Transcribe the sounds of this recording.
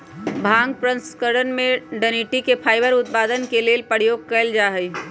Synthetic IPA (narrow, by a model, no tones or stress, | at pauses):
bʱãːŋɡ̚pɾə̃nskəɽənmẽɖəniʈikepʰaːɪbəɾʊt̪̚paːd̪ənkelelpəɽ̤joːɡ̚kəɪld͡ʒaːɦəj